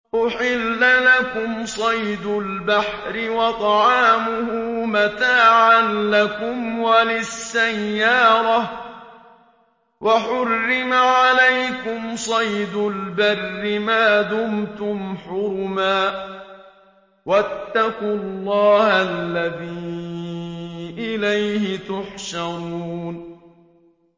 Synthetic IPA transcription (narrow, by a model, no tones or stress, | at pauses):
ʔʊħɪlːalakʊmsˤɑjd̪ʊlbaħ | ɾɪwɑt̪ˤɑʕɑːmʊhʊmat̪aːʕanlakʊmwalɪsːajːɑːɾˤɑ | waħʊrːɪmaʕalajkʊmsˤɑjd̪ʊlbarːɪmaːd̪ʊmt̪ʊmħʊɾmaː | wat̪ːaqʊlːɑːhalːaðiː | ʔɪlajhɪt̪ʊħʃɑɾˤuːn